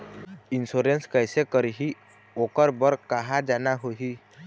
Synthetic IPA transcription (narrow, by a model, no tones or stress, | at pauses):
ɪnsoɾenskəɪsekəɾɦi | oːkəɾbəɾkaɦad͡ʒaːnaɦoɦi